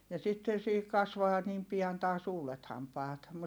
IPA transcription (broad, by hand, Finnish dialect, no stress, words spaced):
jɑ sitːen̞ siːhik kɑsʋɑː niːm piɑn tɑːs uːlet hɑmpɑːt